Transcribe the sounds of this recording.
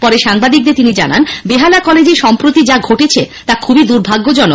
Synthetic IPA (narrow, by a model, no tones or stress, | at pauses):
pɔɾeʃaŋbad̪ik̚d̪eɾt̪inid͡ʑa̰nanbeɦalakɔled͡ʑeɾʃɔmpɾot̪id͡ʑaɡʱoʈet͡ɕʰet̪akʰubid̪uɾbʱaɡːod͡ʑɔno